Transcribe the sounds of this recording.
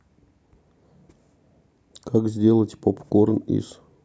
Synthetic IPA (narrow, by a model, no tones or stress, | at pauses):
kakzʲdʲelˠətʲpopkornḭʂ